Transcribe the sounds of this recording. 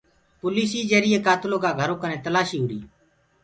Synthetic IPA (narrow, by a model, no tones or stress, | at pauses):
pʊliːsiːd͡ʒeːɾiːeːkaːt̪loːɡaːɡʱəɾõːkənẽːt̪əlaːʃiːɦʊɾḭː